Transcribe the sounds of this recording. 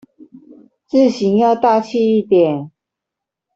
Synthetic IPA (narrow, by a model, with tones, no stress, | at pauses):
t͡sɹ̩˥˩ɕi˧˥ŋjɑ˥˧ʊt̪a˥˧t͡ɕʰi˥˧i˥˩t̪jɛ˨˩˦n